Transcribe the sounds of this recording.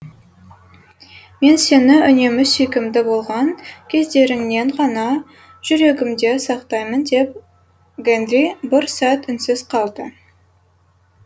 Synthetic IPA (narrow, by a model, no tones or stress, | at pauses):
me̞nse̞nɪʏne̞mɪsʏjkʲɪmd̪ɪbo̞lˠʁɑŋkʲʰe̞zd̪e̞ɾɪŋne̞ɴqɑnɑ | ʒ̥ʏɾe̞ɡʲɪmd̪e̞sɑqt̪ɑjmənd̪e̞p̚ | ɡend̪ɾibɪɾsæt̪ʏnsɪz̥qʰɑlˠd̪ə